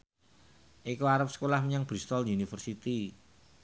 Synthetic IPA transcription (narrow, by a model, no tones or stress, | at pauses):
ʔikuaɾəp̚sə̥kolahməɲaŋb̥ɾist̪ɔljunifərsit̪i